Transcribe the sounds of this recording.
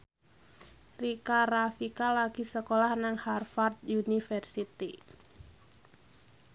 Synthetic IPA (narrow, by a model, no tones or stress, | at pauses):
rikaɾafikalaɡisəkolahnaŋharfard̪junifərsit̪i